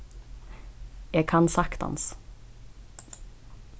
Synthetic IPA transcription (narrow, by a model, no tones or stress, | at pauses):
jeːɡkʰɑnsɑkt̪ɑ̰ns